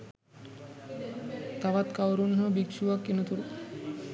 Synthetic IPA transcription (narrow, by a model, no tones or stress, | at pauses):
t̪aʋat̪kawɾunɦobikʃuʋakːenut̪uɾu